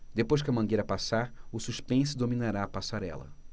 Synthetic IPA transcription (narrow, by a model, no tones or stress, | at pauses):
d̪epojʃ̬kɪɐmɐ̃ɡejɾɐpasaɾʊsuʃpẽs̬ʊd̪omĩnaɾaːpasaɾɛ̰lɐ̰